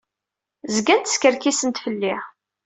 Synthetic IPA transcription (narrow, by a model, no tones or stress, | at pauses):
zəɡænt̪ə̥skəɾkisənt̪fəlːɪ